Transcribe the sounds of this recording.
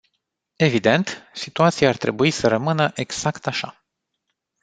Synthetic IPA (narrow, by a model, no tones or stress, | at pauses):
e̞vid̪e̞nt̪sit̪uat̪sijaːrt̪ɾe̞̰buisəɾəmɨnəʔe̞ɡz̥akt̪aʃa̰